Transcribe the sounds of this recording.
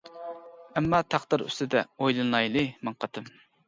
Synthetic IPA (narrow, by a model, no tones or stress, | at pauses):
ɛmːɑt̪ʰɑχd̪ɨɾy̰st̪ɪd̪ɛojlˠɨnlˠɑjlˠɨmɨŋqʰɑt̪ɨm